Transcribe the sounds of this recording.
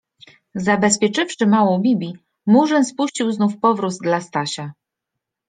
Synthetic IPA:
zabɛspʲjɛt͡ʂɘfʂɘmawɔ̃w̃bʲibʲi | muʐɛnspuɕt͡ɕiwznufpɔvɾuzd̪last̪aɕa

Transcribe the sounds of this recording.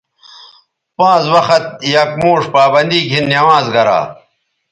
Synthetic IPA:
pãːzwɐxɐt̪̚jɐkmoːʂpaːbɐnd̪iːkinːɐwãːzɡɐɾa̰ː

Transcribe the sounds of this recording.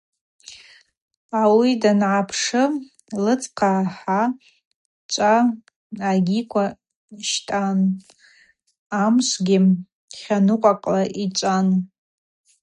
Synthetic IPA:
awidanʕapʰʂɨ | lɨt͡sʼqʰaħa | t͡ʃʷʼa | aɡʲikʷʰa | ʃtʼan | amʃʷɡʲɪ | χʲanɨqʷʼaqʼlaʔit͡ʃʷʼan

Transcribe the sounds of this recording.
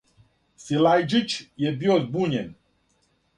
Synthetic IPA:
silajd͡ʒɨt͡ʃjebiot̪buɲen

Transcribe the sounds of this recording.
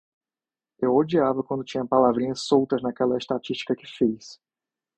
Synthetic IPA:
ewod͡ʒiavɐkwɐ̃nd̪ʊt͡ʃĩɲɐpalavɾĩɲɐssowt̪ɐznɐkɛlɐɪst̪at͡ʃiʃt͡ʃi̥kɐkɪfis

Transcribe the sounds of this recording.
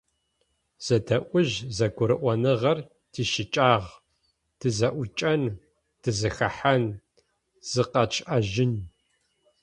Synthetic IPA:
z̥ɐdʰɐʔʷʊʑzɐɡʷʊɾɨʔʷɔnɨʁɐr | tʰiːʃɪt͡ʃʼaːʁ | d̥ʰɨzɐʔʷʊt͡ʃʼɐn | d̥ɨzɨxɐ̰ħan | z̥ɨqɐt͡ʃʼʔɐʒɪn

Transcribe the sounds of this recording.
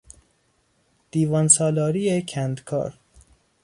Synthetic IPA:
d̪̥iːvɒnsɒːlɒːɾiːecʰænd̪kʰɒ̰ːɾ

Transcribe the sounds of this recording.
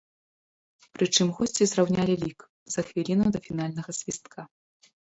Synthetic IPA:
pɾɨt͡ʂɨmɣɔsʲt͡sʲizrawnʲalʲilʲik | zɐxvʲilʲinɐd̪ɐfʲin̪alʲnɐɣɐsʲvʲist̪̚kʰa

